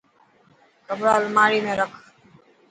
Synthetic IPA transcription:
kəbɾaːlmaːɽiːmẽːɾəkʰ

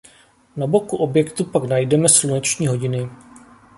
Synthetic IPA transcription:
nabo̞kuʔo̞bjɛkt̪upaknajdɛmɛslunɛt͡ʃɲiːɦo̞ɟɪnɪ

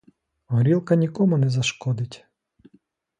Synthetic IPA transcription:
ɦɔɾʲilˠkɐnʲikɔmʊnɛzɐʃkɔd̪ɪtʲ

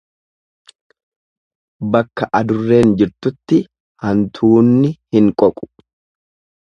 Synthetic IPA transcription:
bɐkːɐʔɐd̪ʊrːe̞ːnd͡ʒɪɾt̪ʊt̪ːɪ | hɐnt̪ʰuːnːɪhɪŋkʼɔkʼʊ̥

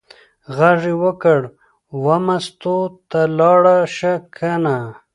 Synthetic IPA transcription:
ɣaʐiwəkəɽ | wamast̪ot̪alɑɽaʃakʰana

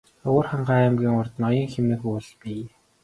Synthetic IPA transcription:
ʊːrχaɴɢamɡʲiːŋʊrt̪nɔjɞ̆ŋxemnɘ̆xuːr̆ɮpiː

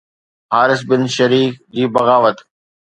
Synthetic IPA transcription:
ɦaːɾɪs̬bɪnʃəɾiːfd͡ʑiːbɐɣaːʋət̪

